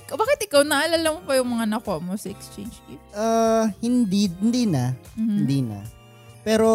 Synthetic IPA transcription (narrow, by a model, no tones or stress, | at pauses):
kbaːkɪt̪̚ʔɪkawnɐʔɐlalamopɐjʊŋmɐŋanɐkoʔɐmo̞sɐɛkst͡ʃejnd͡ʒkiʔahɪnd̪ind̪iːnɐmɪnd̪iːnɐ̰ | pɛːɾo̞